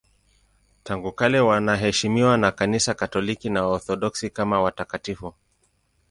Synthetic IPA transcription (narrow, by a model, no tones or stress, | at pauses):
taŋɡukalɛwanaɦɛʃimiwanakanisakatɔlikinaɔɾθɔɗɔksikamawatakatifu